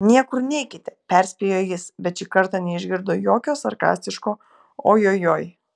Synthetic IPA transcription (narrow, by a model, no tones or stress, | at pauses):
nʲiɛkʊɾnʲɛɪkʲɪt̪ʲɛpʲɛɾʲsʲpʲeːjoːjɪsbʲɛt̪t͡ʃʲiːkɐɾt̪ɐnʲɛɪʒʲɡʲɪɾd̪oːjoːkʲoːsɐɾkɑ̰ːsʲt̪ʲɪʃkoː | oːjoːjoːj